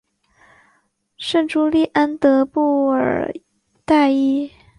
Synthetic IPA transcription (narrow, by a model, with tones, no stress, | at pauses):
ʂə˥˩nʈ͡ʂu˥li˥˩ʔa˥nt̪ɤ˧˥pu˥˩ə̰˞˨˩ | t̪a˥˧ɪi˥˩